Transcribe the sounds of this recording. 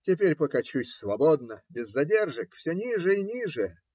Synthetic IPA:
tʲɪpʲeɾʲpəkɐt͡ɕusʲsvɐbod̪nəbʲɪzːɐdʲerʐɨkfsʲonʲiʐɨinʲiʐɨ

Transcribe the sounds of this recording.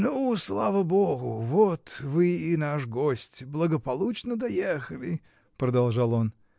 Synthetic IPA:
nuːslˠavəboɡʊvot̪vɨinaʂɡosʲtʲblˠəɡəpɐlˠut͡ɕnəd̪ɐjexəlʲɪ | pɾəd̪ɐlˠʐɑlˠon

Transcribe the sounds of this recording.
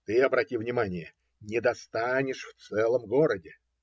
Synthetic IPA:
t̪ɨɐbɾɐtʲivnʲɪmanʲɪjə | nʲɪd̪ɐst̪anʲɪʂft̪sɛlˠəmɡo̞ɾədʲɪ

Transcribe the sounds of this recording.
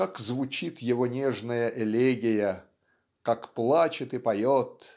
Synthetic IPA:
kakzvʊt͡ɕit̪jɪvo̞nʲeʐnəjəʔɪlʲeɡʲɪjə | kakplˠat͡ɕɪt̪ɨpɐjot̪

